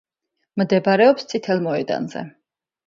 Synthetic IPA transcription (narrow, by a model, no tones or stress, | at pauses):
md̪ɛbaɾɛɔpst̪sʼit̪ʰɛlˠmɔɛd̪a̰nzɛ̰